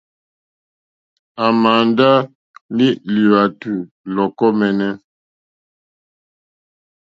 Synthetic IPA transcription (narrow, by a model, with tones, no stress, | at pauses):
a˨ma˨nda˦ | li˦li˨wa˨tu˨ | lɔ˨kɔ˦mɛ˨nɛ˦